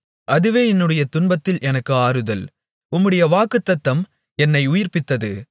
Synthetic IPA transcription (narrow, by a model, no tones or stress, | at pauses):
ʔɐðɯʋeːɛnːɯɽɐjɐt̪ʊɳbɐt̪ːɪlʔɛnɐkːɯaːɾɯðɐl | ʊmːɯɽɐjɐʋaːkɯt̪ːɐt̪ːɐm | ɛnːɐɪʊjɪrpɪt̪ːɐðɯ